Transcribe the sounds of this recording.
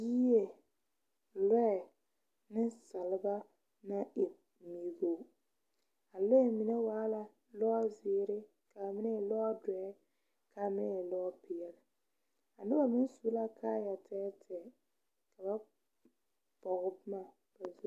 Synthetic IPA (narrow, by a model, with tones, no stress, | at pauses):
ji˦je˨ | lɛ˦ɛ˨ | nɪ˦sa˨lɪ˦ba˦ | na˦ʔɪ˨ | mi˨ɡo˦˨ | a˨le˦˨mi˨nɛ˦waː˨˦la˨ | lɔ˦a˦zɪː˨˦ɾɪ˦ | ka˨mɪ˦nɛ˦ɛ˨lɔ˦a˦dɛ˨˦ɛ˦ | kʰa˨˦mɪ˦nɛ˦ɛ˨lɔ˦pɪ˨ɛ˨lɪ˨ | a˨nɪ˦ba˨mɪ˦n˦su˦la˦kʰaː˦ja˨tʰɛː˦tʰɛ˨ | ka˨ba˦ | pɔ˨ɣɪ˦bma˦˨ | b̥a˨zu˦